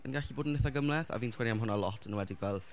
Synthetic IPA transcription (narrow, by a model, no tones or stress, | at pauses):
ənɡaɬiboːdənːɪθaɡəmlˠɛθa̰viːntʰsʰwɛniamɦʊnalˠɔtʰənəwɛdɪɡvɛlˠ